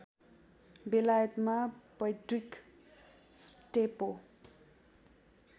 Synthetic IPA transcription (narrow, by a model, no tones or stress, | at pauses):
belajʌt̪mapʌjʈrik | sʈepo